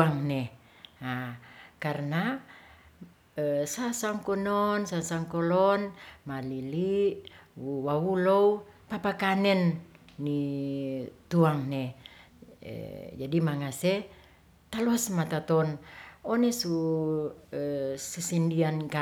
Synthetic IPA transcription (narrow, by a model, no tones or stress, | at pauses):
aŋne | akarna | əsasaŋkɔnɔnsasaŋkɔlɔnmaliliʔuwawulɔupapakanɛnːi | t̪uaŋnḛ | d͡ʒadimaŋase | t̪alɔasmat̪at̪ɔnɔnesu | əsusindianka